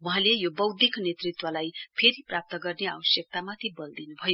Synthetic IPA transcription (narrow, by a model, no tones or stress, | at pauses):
wuɦãlejobʌwd̪iknet̪rit̪wʌlajpʰeɾiprap̚t̪ʌɡʌrnea̰bʌsjʌk̚t̪amat̪ʰibʌld̪inubʱʌjo